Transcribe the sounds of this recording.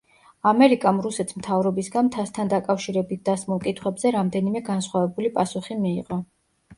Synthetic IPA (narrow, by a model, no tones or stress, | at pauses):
amɛɾikʼamɾusɛt̪ʰsmt̪ʰavɾɔbisɡant̪ʰast̪ʰand̪akʼafʃiɾɛbit̪̚ʰd̪asmulˠkʼit̪ʰχwɛbzɛɾamd̪ɛnimɛɡansχwavɛbulipʼasuχimiːʁʼɔ